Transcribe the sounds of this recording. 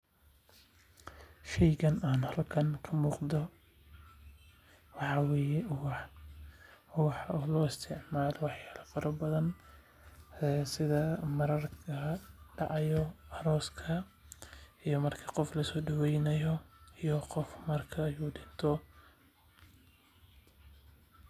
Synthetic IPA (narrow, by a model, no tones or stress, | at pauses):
ʃɛjɣɐnaːnhɐlkʰɐŋkʰɐmuːqd̪ɔ | wɑħɑwɛjɛwħ | wɑħɔlɔːɪst̪ʰɪʕmaːlɔwɑħjaːlɐfɐɾɐbɐðɐn | sɪðɐmɐɾɐrkɐɖɑʕɑjɔɐɾɔːskʰɐ | ijɔmɐrkʰɐ̥qɔflɐsɔːɖʊwɛjnɐjɔijɔqɔfmɐrkʰɐːjuːɖɪnt̪ʰɔ